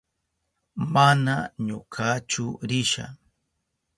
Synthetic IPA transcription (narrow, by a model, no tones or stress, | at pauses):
manaɲʊkʰat͡ʃʊɾɪʃa̰